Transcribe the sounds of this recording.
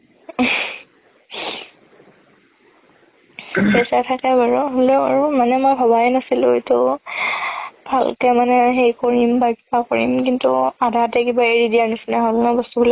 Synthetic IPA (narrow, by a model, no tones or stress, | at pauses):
sɛsatʰakɛbaɹɔɦoloa̰ɹumanɛmojbʱabajnasilʊetʊ | bʱalkɛmanɛɦejkoɹimbajpʰpakoɹḭmkintṵadʱatɛkibaeɹidianisinaɦolnɛbɔstubul